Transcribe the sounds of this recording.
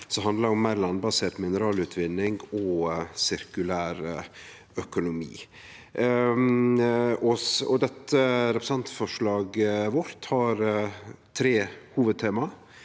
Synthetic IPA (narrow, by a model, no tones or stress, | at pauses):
sɔɦɑnd̪lɑɾɔmːæɪɾlɑnbɑseːt̪mɪnəɾɑːlʉːt̪ʰʋɪnːɪŋɡɔsɪɾkʉlæːɾ | œkʊnʊmḭː | ɔɔ̰d̪ɛt̪ːəɾɛpɾəsɑnt̪fɔʂɭɑːɡʋɔɾt̪hɑɾt̪ʰɾeːhuːʋəd̪̚t̪ʰeːmɑ